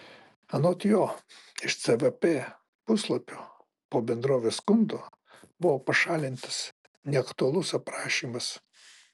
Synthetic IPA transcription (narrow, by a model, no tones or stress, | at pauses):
ɐnoːt̪ʲjoːɪʃt̪sʲɛʋʲɛpʲeː | pʊslˠɐpʲoː | poːbʲɛnd̪ɾoːʋʲeːskʊnd̪oː | bʊʋoːpɐʃɑːlʲɪnt̪ɐ̥s | nʲɛɐkt̪ʊɐlˠʊsɐpɾɑːʃʲiːmɐs